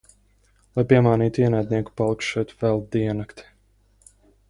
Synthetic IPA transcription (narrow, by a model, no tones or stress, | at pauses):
lˠajpiɛmaːniːt̪iɛnæjd̪ʲniɛku̥palˠikʃɛjt̪vɛlˠd̪iɛnakt̪i̥